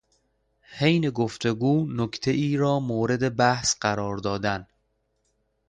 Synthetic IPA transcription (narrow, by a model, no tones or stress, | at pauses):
hejneɡoft̪ʰeɡuːnokʰt̪ʰeʔiːɾɒːmoːɾe̞d̪e̞bæhsɢæɾɒːɾd̪ɒːd̪æn